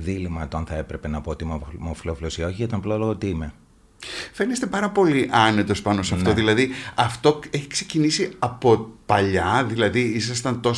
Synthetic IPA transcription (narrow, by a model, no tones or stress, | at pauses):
ðilimɐt̪oɐnθɐe̞pɾe̞pe̞nɐpoot̪immofiloflosioçiit̪ɐmploloɣot̪iime | fe̞nest̪e̞pɐɾɐpo̞liʔɐne̞t̪o̞spɐno̞seɐft̪o̞ðilɐðiɐft̪o̞e̞çi̥kse̞cinisiɐpo̞pɐʎɐðilɐðiisɐst̪ɐnt̪o̞s